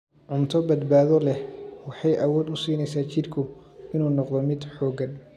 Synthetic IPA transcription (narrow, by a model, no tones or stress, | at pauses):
ʕʊmt̪ʰɔbɐd̪baːðɔlɛwɑħɑjʔɐwɔːd̪ʊsiːnɛjsaːt͡ʃɪrkʰʊɪnuːnɔqd̪ɔmɪd̪ħɔːɡɐn